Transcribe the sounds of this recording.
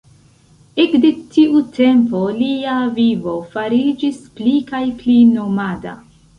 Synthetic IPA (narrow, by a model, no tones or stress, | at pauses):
ekdetiute̞mpo̞liavivo̞faɾid͡ʒisplikajplinomada̰